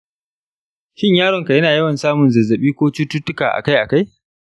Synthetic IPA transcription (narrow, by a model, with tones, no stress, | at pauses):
ʃɪ˦ɲjaː˦ɾɔ˨ŋka˨jɐ˦naː˨jɐ˦wɐ˨nsaː˦mʊ˨nzɐ˨zːɐ˨ɓiː˦kʷoː˦t͡ʃuː˦tːu˦tːʊ˦kaː˨ʔa̰˨ka˦jʔa˨ka˦j